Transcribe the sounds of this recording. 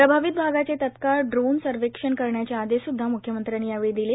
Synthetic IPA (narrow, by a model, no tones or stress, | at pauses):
pɾəbʱaʋit̪̚bʱaɡat͡set̪ət̪kaɭɖɾonsəɾʋekʂənkəɾɳjat͡ɕaad̪esud̪ʱːamukʰjəmənt̪ɾanːiaʋid̪ile